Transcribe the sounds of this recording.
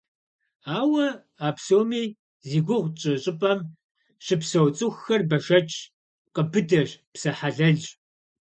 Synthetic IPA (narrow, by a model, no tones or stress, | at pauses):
aːwɐ | aːpsoːmiː | ziːɡʷʊʁʷt͡ʃʼɨɕʼɪpʼɐm | ʂɪpsɐwt͡sʼʊxːɐrbɐʃɐt͡ʃʼʰ | qəbɨdɐʒpsɐħaɮɐɮ